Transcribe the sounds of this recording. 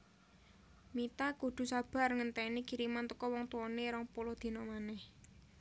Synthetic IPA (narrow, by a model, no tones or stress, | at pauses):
mit̪akud̪̥ṳsab̥a̤rŋənt̪ɛniɡ̥i̤ɾimant̪əkɔwɔŋt̪uwɔneɾɔŋpulɔd̪̥i̤nɔmanɛh